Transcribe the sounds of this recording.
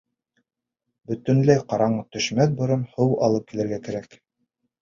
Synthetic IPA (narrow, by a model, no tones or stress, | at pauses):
bɵ̆t̪ɘ̆nlæjqɑɾɑɴɤt̪ɵ̆ʃmæn̚bŏɾɤnhɤwɑ̰lˠɤp̚kilɘ̆ɾɡækæɾæk